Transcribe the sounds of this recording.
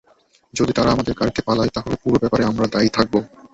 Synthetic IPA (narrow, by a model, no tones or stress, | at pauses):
d͡ʑod̪it̪aɾaamad̪eɾkaɾkʰepalaet̪aɦolepuɾobɛpaɾeamɾad̪ait̪ʰak̚bo